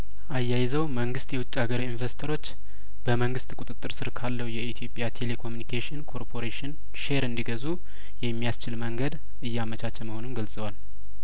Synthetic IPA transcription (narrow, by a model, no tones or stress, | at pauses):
ʔajːajɪzəwməŋɡɨst̪jɛwʊt͡ʃʼːaɡəɾinveɾst̪ʰəɾo̞t͡ʃː | b̥əməŋɡɨst̪kʼut̪ʼɨt̪ʼːɨɾsɨɾkʰalːəwjɛit̪ʰijo̞pʼːjat̪ʰe̞le̞kʰo̞mjunikʰeʃɪnkʰo̞ɾpʰo̞ɾeʃɪn | ʃeɾɨnd̪iɡəzu | jɛmːijast͡ʃɪlməŋɡəd̪ | ɨjːamət͡ʃʰat͡ʃːɛməho̞nunɡəlsʼəwal